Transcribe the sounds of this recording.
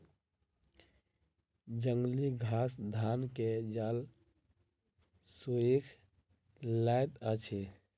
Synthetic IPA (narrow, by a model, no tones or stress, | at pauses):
d͡ʒəŋɡliɡʱasd̪ʱanked͡ʒal | suikʰ | laet̪ət͡ʃʰe